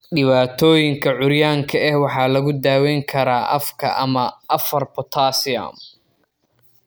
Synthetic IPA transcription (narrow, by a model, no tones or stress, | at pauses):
ɖɪβaːt̪ʰɔːjɪŋkʰɐʕʊɾjaːŋkʰɐɛhwɑħɑːlɐɣʊd̪aːwɛːŋkʰɐɾaːʔɐ̰fkʰɐ̰ʔɐ̰mɐʔɐfɐrpʰɔt̪ʰaːsɪɐ̰m